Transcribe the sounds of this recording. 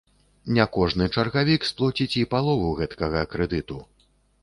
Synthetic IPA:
nʲɛkɔʐnɨt͡ʂɐrɣavʲiksplˠɔt͡sʲit͡sʲipalˠɔvuɣɛt̪kɐɣɐkɾɛd̪ɨt̪u

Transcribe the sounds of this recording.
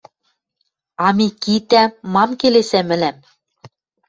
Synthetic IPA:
ɑmikit̪æmɑmkelesæmɘ̆læm

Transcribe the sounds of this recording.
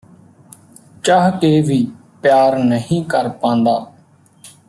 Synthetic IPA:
t͡ʃaːɦkeːʋiː | pjaːɾnəɦĩːkəɾpãːnd̪aː

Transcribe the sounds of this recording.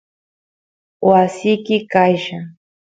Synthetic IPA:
wasɪjkɪkajʃa

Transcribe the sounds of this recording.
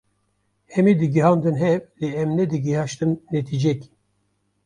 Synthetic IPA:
hɛmid̪ɨɡiɦɑːnd̪ɨnɦɛvleɛmnɛd̪ɨɡihɑʃt̪ɨnːet̪ʰid͡ʒɛk

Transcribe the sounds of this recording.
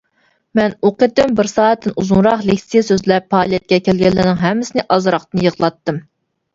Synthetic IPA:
mɛnoqət̪ɪmbɪɾsɑːɛt̪ːɪnuzuŋɾɑqlekʲsijesøzlɛpʰːɑːlˠijɛt̪̚kʲɛkʲʰɛlɡʲɛlːɪnɪŋɦɛmːɪsɪnɪʔɑzɾɑχt̪ɨnjəʁlˠɑt̪ːɨm

